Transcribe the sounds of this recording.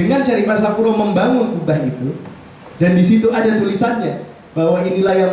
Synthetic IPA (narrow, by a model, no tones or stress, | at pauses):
əŋant͡ʃaɾimasapuɾoməmbaŋʊŋubaɦit̪u | dandisit̪uadat̪ulisanɲa | b̥aɦwainilahjaŋ